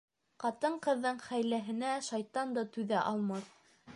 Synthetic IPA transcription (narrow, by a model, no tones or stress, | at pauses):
qɑt̪ɤɴqɤ̆ðːɤɴχæjlæɦɘ̆næʃɑjt̪ɑnd̪ɤt̪ʉðæʔɑlˠmɑθ